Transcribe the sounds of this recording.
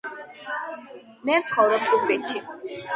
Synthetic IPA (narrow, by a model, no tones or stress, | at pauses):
mɛvt̪sʰχɔvɾɔb̚t̪ʼukbiʃʰi